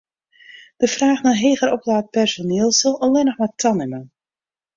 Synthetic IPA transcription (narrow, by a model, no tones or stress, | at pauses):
d̥əfraːxnaɦeːɣəɾɔplaːt̚pɛrsoneəlˠsəlˠəlˠɪnəxmɛtʰɑnɪmən